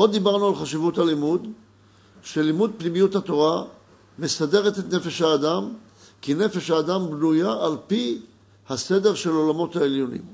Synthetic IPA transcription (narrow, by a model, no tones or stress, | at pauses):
o̞d̪ːibaʁnualχaʃivuthalimud̪ | ʃe̞limud̪̚pnimijuthat̪o̞ʁa | me̞sade̞ʁ̞et̪et̪ne̞fe̞ʃhaːdam | kine̞fe̞ʃhaːdambnujaʔːlpi | hase̞de̞ʁʃe̞lo̞lamo̞t̪haeljo̞nḭm